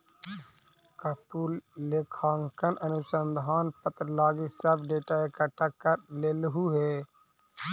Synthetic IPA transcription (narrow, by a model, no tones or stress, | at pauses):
kət̪ulekʰaːŋkənʔənʊsə̃nd̪ʱaːnpət̪ɾəlaːɡisəbɖeːʈaekaʈakːəɾleːlɦuɦeː